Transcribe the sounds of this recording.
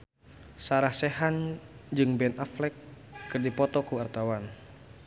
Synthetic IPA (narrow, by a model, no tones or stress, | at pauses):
saɾahsɛɦand͡ʒɨŋbɛnaflɛkː | ɨrdipɔt̪ɔkuart̪awan